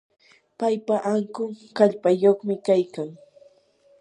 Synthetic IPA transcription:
pajpaʔaŋkʊŋkaʎpajoχmɪkajkaŋ

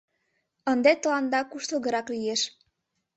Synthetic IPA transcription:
ənd̪et̪əlɑnd̪ɑkuʃt̪oɣə̆ɾɑklijeʃ

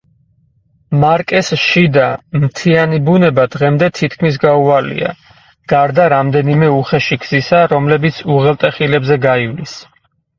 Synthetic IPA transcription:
maɾkʼɛsʃid̪amt̪ʰianibunɛbad̪ʁɛmd̪ɛt̪ʰit̪ʰkʰmis̬ɡaualḭa̰ | ɡ̥aɾd̪aɾamd̪ɛnimɛuχɛʃiɡz̥isaɾɔmlɛbit̪sʰuʁɛlˠt̪ʼɛχilɛbzɛɡaivlis

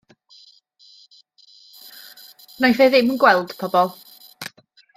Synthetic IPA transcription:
najfeðɪmənɡwɛlˠd̥pʰɔbɔlˠ

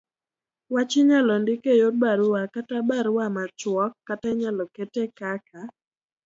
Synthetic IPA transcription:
wat͡ʃɪɲalɔndɪkejod̚baɾʊwakatabaɾʊwamat͡ʃwɔkːataɲalɔketekaka

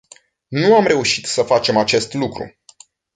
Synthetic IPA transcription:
nuamɾe̞uʃit̪səfat͡ʃe̞mat͡ʃe̞st̪lukɾṵ

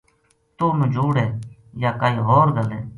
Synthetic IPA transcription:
t̪oːmẽd͡ʒuːɽeːjaːkaːiːɦoːɾɡəleː

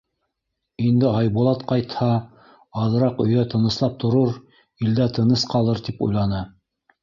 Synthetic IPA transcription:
ind̪ɘɑjβulˠɑt̪qɑjt̪hɑː | ðɤ̆ɾɑqɵ̆jæt̪ɤ̆nɤ̆slˠɑp̚t̪ŏɾɤɾ | ild̪æt̪ɤ̆nɤsqɑlˠɤɾt̪ipṵjlˠɑnɤ

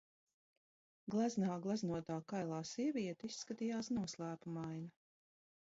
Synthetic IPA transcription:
ɡlˠaznaːɡlˠaznuɔt̪aːkajlˠaːsiɛviɛt̪isːkat̪ijaːsnuɔslˠæːpumajna

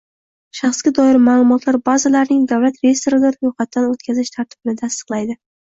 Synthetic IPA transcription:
ʃaχsɡʲad̪ɒɪɾmaːlˠʊmɒt̪ʰlaɾbazalaɾnɪŋd̪awlat̪ɾejest̪oɾɪd̪aɾɾojχat̪ːanot̪̚kʲʰazɪʃt̪ʰaɾt̪ʰɪ̥bɪnɪt̪ʰast̪ɨ̥qlˠajd̪ɪ

